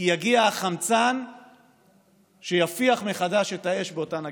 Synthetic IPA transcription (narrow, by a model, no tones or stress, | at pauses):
jaɡiaːχamt͡san | ʃejafiaχme̞χadaʃe̞tae̞ʃbeo̞tana